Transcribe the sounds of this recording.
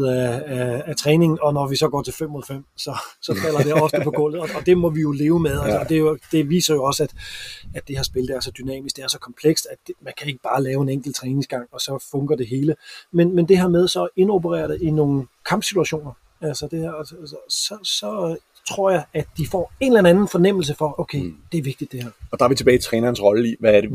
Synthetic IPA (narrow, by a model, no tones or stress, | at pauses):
ææːt͡sʰʁɛːne̝ŋn̩ɒ̽nɒʋisɒ̽ɡ̥ɒ̰ːt͡sʰe̝lfem̰moðˠfem̰sɒ̽sɒ̽fæl̰ɐd̥e̝ɒ̽fd̥əpʰɒ̥̽ɔ̰̽ːl̰ð̩ˠɒ̽ːd̥e̝mɒ̽ʋijo̝le̝ːʊəmeðˠælsːd̥e̝jod̥e̝ʋḭːsɐjo̝ɒ̽sæd̥æd̥e̝hɑ̈sb̥e̝ləd̥æɐsɒ̽d̥ynɛ̰ːmisɡ̥̚d̥e̝æɐsɒ̽kʰɒ̽mpʰleɡ̥sd̥æ̥mænkʰæe̝ɡ̥əb̥ɑ̈ːlɛːʊe̝neŋ̰ɡ̥l̩t͡sʰʁɛːneŋsɡ̥ɑ̈ŋ̰ɒ̽sɒ̽fɔ̽ŋɡ̥ɐd̥e̝ɦe̝ːləmenmend̥e̝ɦæɐmeð̞ˠsɒ̽e̝no̝bəʁɛ̰ːɐd̥əino̝ːŋ̩kʰɑ̈mb̥sit͡sʰuæɕo̝̰ːnɐ | ælsɒd̥e̝hæɐ̰sɒ̽sɒ̽ | t͡sʰʁo̝ɐ̰jɑ̈ɪædd̥ifɒ̰ːe̝nlæn̩ænn̩fɒ̽nem̰l̩s̬əfɒ̽ʔoʊkʰeɪd̥eæɐʋe̝ɡ̥̚d̥id̥e̝hæɐɒd̥ɑ̈ʋit͡sʰeb̥ɛːɪt͡sʰʁɛːnɐn̩sʁɒ̽ləiʋæɐde